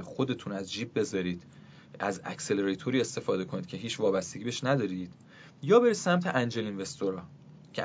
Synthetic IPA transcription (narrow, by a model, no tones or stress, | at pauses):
xo̞d̪e̞t̪ʰunæzd͡ʒiːb̚be̞zɒːɾiːd̪̥ | æzæ̰cse̞leɾet̪ʰoɾiːe̞st̪e̞fɒːd̪e̞kʰo̞niːd̪̥̚cʰe̞ɦiːt͡ʃʰvɒːbæst̪eɟiːbeeʃnæd̪ɒːɾiːd̪̥ | jɒːbesæmt̪ʰeʔænd͡ʒe̞linve̞st̪oɾɒː | cʰe